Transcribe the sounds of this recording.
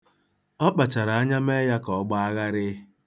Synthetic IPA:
ɔ˦k͡pa˨t͡ʃa˨ɾa˨a˦ɲa˦me˦ja˦kɔ˨ɡ͡ba˦a˦ɣa˦ɾɪ˦

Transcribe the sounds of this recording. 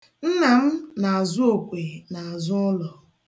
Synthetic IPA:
n̩˦na˨m̩˦na˨a˨zʊ˦o˨kʷe˨na˨a˨zʊ˦lɔ˨

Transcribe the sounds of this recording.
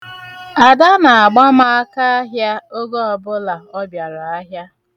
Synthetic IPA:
a˨da˦na˨a˨ɡ͡ba˦ma˦a˦ka˦a˦ɦja˦o˦ɡɔ˦ɔ˨bʊ˦la˨ɔ˦bja˨ɾa˨a˦ɦja˦

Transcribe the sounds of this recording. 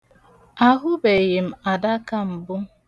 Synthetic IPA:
a˦ɦʊ˦be˨je˨m̩˨a˨da˦ka˦m̩˨bʊ˦

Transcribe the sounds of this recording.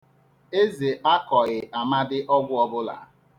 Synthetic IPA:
e˦ze˨ʔa˦kɔ˨ɣɪ˨ʔa˨ma˦dɪ˦ʔɔ˦ɡʷʊ˦ɔ˦bʊ˦la̰˨˦

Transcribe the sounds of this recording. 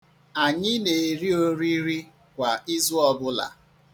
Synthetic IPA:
a˨ɲɪ˦ne˨ɾi˦o˦ɾi˦ɾi˦ | kʷa˨i˦zu˦ɔ˦˨bʊ˦la̰˨

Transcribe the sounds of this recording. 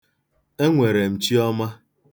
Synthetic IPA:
e˦ŋʷe˨ɾe˨m̩˨t͡ʃi˦ɔ˦ma˦

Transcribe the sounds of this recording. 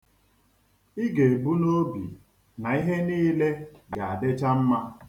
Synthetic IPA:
i˦ɡe˨bu˦no˦bḭ˨ | na˨i˦ɦe˦niː˦le˦ɡa˨a˨a˨dɪ˦t͡ʃa˦m̩˦ma˦

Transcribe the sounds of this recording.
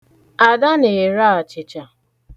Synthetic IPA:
a˨da˦ne˨ɾa˦a˨t͡ʃɪ˨t͡ʃa˨

